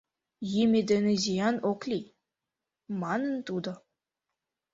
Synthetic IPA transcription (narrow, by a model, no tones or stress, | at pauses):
jimʲed̪ɘ̆nezʲijɑnoklʲi | mɑnə̆nt̪ud̪ɤ̆